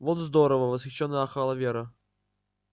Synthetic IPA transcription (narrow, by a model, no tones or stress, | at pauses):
vot̪zd̪oɾəvəvəsxʲɪɕːonːəjaxɑlˠəvʲeɾə